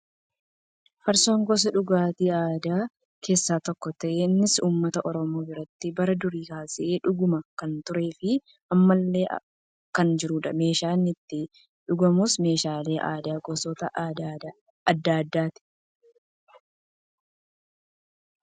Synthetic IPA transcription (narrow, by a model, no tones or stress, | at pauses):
fɐɾso̞ːŋɡɔs̬ɐᶑʊɡaːt̪iːaːd̪aː | kʰe̞ːsːaːt̪ɔkːɔt̪ɐʔeːnːɪsuːmːɐt̪ɐʔɔɾɔmo̞ːbɪɾɐt̪ːɪbɐɾɐd̪ʊɾiːkaːsɪʔeːᶑʊɡʊmɐkɐnt̪ʊɾe̞ːfɪ | ʔɐmːɐlːe̞ːʔ | kɐnd͡ʒɪɾuːᶑɐme̞ːʃaːnːɪt̪ːɪ | ᶑʊɡɐmʊsme̞ːʃaːle̞ːʔa̰ːd̪aːɡɔsɔːt̪ɐʔaːd̪ad̪a | ɐd̪ːaːd̪ːaːt̪ɪ̥